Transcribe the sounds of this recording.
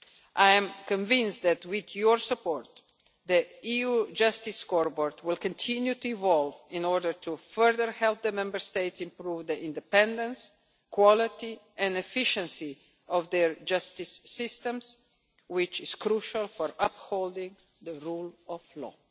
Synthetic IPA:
ʔajɛ̃mkɔ̃ɱvɪ̃nsd̪æt̪wɪd̪jɔɹsəpɔɹt̪ | d̪əiud͡ʒast̪iskɔɹbɔɹt̪wɪlkɔ̃ntʰĩnjut̪uivɔlvĩnɔɾdəɹt̪ʰufɜɹðəɹhɛlp̚d̪əmɛ̃mbəɹst̪eɪtsĩmpɾuvd̪əʔĩnd̪ɛpɛ̃nd̪ə̃ns | kwɔlɪt̪i | ɛ̃nɛfɪʃə̃nsi | ɔvd̪ɛɹd͡ʒast̪isːɪst̪ɛ̃ms | wɪt͡ʃɪz̥kɾuʃalfɔɹaphold̪ɪ̃ŋ | d̪əɹulɔvlɔ̰

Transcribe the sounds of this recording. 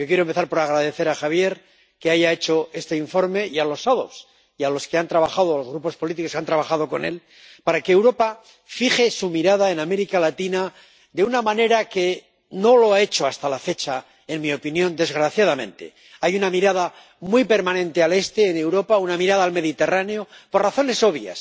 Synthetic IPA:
jokjeɾompe̞θaɾpo̞ɾaɣ̞ɾaðe̞θe̞ɾaxaβje̞ɾ | ke̞aʝae̞t͡ʃo̞e̞st̪e̞iɱfo̞ɾme̞ialo̞saðo̞̰s | ialo̞ske̞ant̪ɾaβaxaðoalozɣɾupospo̞lit̪ikokant̪ɾaβaχaðo̞ko̞̰ne̞̰l | paɾakeːwɾo̞pa | fiχe̞sumiɾaðae̞name̞ɾikalat̪ina | d̪eunamãne̞ɾake̞ | no̞lo̞ae̞t͡ʃo̞ast̪alafe̞t͡ʃa | e̞nmio̞pinjo̞nd̪e̞zɣɾaθjað̞amẽ̞̰nt̪e̞̰ | ajunamiɾað̞a | mwijpe̞ɾmanẽ̞nt̪e̞ale̞st̪e̞ːne̞wɾo̞paunamiɾað̞alme̞ðit̪e̞raneo̞po̞rraθo̞ne̞so̞βja̰s

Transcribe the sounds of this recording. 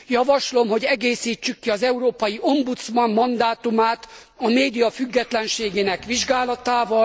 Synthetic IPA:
jɒvɒʃlo̞mɦo̞ɟɛɡeːsiːt͡ʃːykːiɒzɛuɾoːpɒjiʔo̞mbut̪smɒmːɒnd̪aːt̪umaːt̪ | ɒmeːd̪ijɒfyɡːɛt̪lɛnʃeːɡeːnɛkʋiʒɡaːlɒt̪aːvɒ

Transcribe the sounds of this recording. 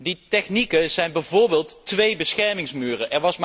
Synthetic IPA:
ditɛχnikəz̥ɛjnbɛjvoːɹbeːlˠtːʋejbəsχɛɹmɪŋsmyːrəʔɛɹʋɑsm

